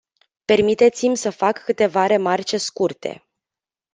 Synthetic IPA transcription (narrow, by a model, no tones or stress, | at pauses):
pe̞rmit̪e̞t̪simʲsəfakːɨt̪e̞vaɾe̞mart͡ʃe̞skurt̪e̞̰